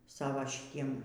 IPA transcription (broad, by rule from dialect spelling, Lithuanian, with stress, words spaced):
ˈsɑːʋoː ʃʲɪˈtʲiɛm